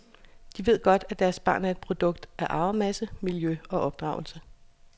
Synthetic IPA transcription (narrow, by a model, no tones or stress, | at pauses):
d̥iʋe̝ð̞̰ˠɡ̥ɒ̽d̥æd̥æɐsb̥ɑ̰̈ːnæɐe̝d̥̚pʰʁo̝d̥ɔ̽ɡ̥̚d̥æɐʔɑ̈ʊɐmæsəmiljøɒ̽ʔɒ̽b̥̚d̥ʁɑ̈ːʊl̩sə